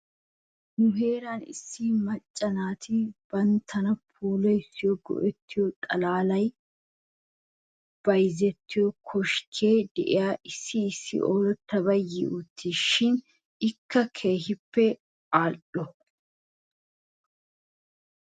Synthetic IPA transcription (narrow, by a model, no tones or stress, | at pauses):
nʊɦe̞ːɾanɪ̰sːimɐt͡ʃʼːɐnaːt̪ʰɪb̥ɐnt̪ʰːɐnɐpʰuːlɔjsːɪjɔɡɔ̰ʔɛt̪ːɪjɔt̪ʼɐlaːlɐj | b̥ɐjzɛt̪ːɪjɔkʰɔʃkʰeːd̪ɛ̰ʔɪ̰jaːʔɪsːɪːsːɪ̰ʔoːɾɔt̪ːɐbɐjɪ̰ʔʊt̪ʰːiːʃɪn | ɪkʰːɐkʰe̞ːhɪpːɛ | aːɗɔ